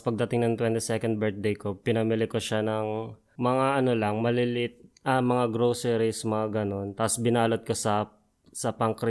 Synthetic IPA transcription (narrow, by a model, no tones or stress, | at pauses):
pɐɡ̚d̪ɐt̪ɪŋnɐŋt̪wɛnt̪isɛkɐnd̪̚bɛɹt̪̚d̪ejkopɪnɐmilɪkoʃanɐŋ | mɐŋaʔɐno̞lɐŋmɐlɪlɪt̪̚ʔɐmɐŋaɡɾowsɛɾismɐŋaɡɐno̞nt̪aposbɪnaːlot̪̚kosɐ | sɐpɐŋkɾɪ